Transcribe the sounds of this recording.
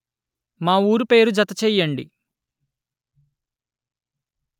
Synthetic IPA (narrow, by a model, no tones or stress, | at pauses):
maːuːɾupe̞ːɾud͡ʒɐt̪ɐt͡ʃɛːjːɐɳɖḭ